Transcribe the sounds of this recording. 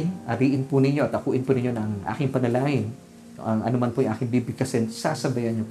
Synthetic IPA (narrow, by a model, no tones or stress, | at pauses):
nʔɐɾiːʔɪnpʊnɪɲo̞ʔɐt̪ʔɐkuːʔɪnpʊnɪɲo̞nɐŋʔa̰ːkɪŋpɐnɐlaːŋɪn | ɐŋʔɐ̰nomɐnpojŋʔa̰ːkɪŋbibɪkɐsɛnt̪sasɐbɐjɐnɲop